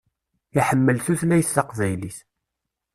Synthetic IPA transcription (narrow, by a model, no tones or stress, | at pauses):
iħəmːəlθuθlæjθːɑqvæjliθ